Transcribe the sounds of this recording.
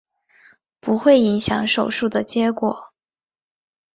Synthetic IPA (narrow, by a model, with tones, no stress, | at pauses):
pu˧˥xwe˥˩ɪi˧˥ŋɕjɑ˧˥ŋʂo˨˩ʊʂu˥˩d̪ə˩t͡ɕjɛ˧˥kwɔ̰˨˩˦